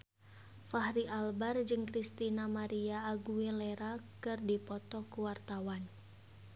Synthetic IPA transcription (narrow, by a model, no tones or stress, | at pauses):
fahɾiʔalbard͡ʒɨŋkɾist̪inamaɾiaːɡuilɛɾakɨrdipɔt̪ɔkuwart̪awan